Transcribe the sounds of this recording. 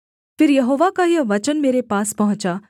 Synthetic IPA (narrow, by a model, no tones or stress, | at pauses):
fɪɾjɐɦoːʋakajɐʋət͡ʃənmeːɾepaːspɐɦʊ̃t͡ʃa